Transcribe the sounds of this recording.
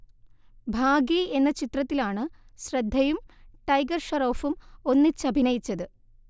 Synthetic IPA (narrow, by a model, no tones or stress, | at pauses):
bʱaːɡie̞nːɐt͡ɕit̪rɐt̪ːilaːɳɨɕrɐd̪ʱːɐjumʈɐjɡɐrʂɐɾo̞ːfumo̞nːɨt͡ɕːɐbʱinɐjit͡ɕːɐðɨ